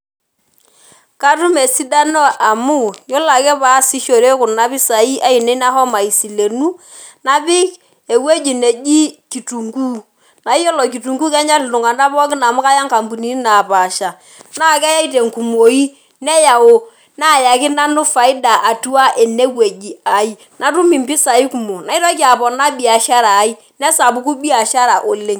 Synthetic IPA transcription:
ka˦tʊ˦me˨si˦da˦nɔ˦ʔa˨mʊ˦jɔ˦la˨kɛ˦pa˨˦si˦ʃo˨ɾe˦kʊ˨na˦bɪ˦sa˨i˦ʔa˦i˨ne˦na˦hɔ˦ma˨i˨si˨le˨nu˦ | na˨bɪ˦k | e˨we˦d͡ʒi˨ne˨ʄi˦ki˨tu˨ŋɡu˦ | na˨i˦jɔ˦lɔ˨k̬i˨tu˨ŋɡu˦kɛ˦ɲa˦lɪ˨tʊ˨ŋa˨nda˦bɔ˦kɪ˦na˨mʊ˦ka˦ja˦ŋka˨mbu˨ni˨˦na˨pa˨ʃa˨ | na˦˨kɛ˦ja˦i˦te˨ŋku˨mo˨i˦ | nɛ˦ja˨wo˦ | na˦˨ja˨kɪ˦na˦nʊ˦fa˨ɪ˦da˨ʔa˨tu˦a˦ʔe˨ne˦we˨d͡ʒi˨a˨i˦ | na˦tu˦mi˨mbɪ˦sa˨i˦ku˨mo˨na˨i˦tɔ˦kɪ˦a˨bɔ˨na˦bi˨a˨ʃa˦ɾa˨˦i˦ | nɛ˦sa˨bu˨˦ku˦bi˦a˨ʃa˦ɾa˨ʔo˨le˨ŋ

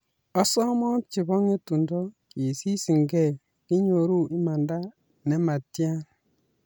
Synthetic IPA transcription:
ɔ˦sɔ˦mɔ˦t͡ʃi˨bɔ˦ŋe˦tu˨ndɔ˦ki˨si˦si˨ŋɡɛ˦˨ | ki˦ɲo˨ɾu˦i˦ma˨nda˦ | ne˦ma˨tːi˦a˦

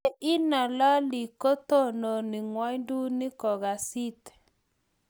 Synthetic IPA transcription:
ʔɪ˦na˨la˦li˨ko˦tɔ˦no˨ni˨ŋwa˦jndu˦ni˦kɔ˨ɣa˨si˦t̪

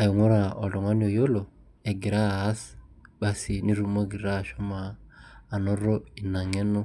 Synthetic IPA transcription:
a˨i˨ŋo˦ɾa˨ɔ˨dɔ˨ŋwa˦ni˦ɔ˨jo˦lo˨ | ɛ˨ɡɪ˨ɾaː˦˨˦sɓa˨si˨ni˦ɾu˦mo˦ɡi˨ɾa˦˨ʃɔ˦maː˨ | nɔ˦ɾo˦i˨na˨ŋɛ˦nʊ˦

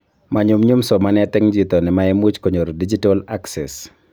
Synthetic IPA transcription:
ma˨ɲʊ˨mɲu˦msɔ˨manɛ˦t̪ɪ˦ŋd͡ʒit̪ɔ˨nɪ˨maɛ˦mu˦t͡ʃkoɲo˨ɾo˨did͡ʒi˦tɔlaksɛ̰s

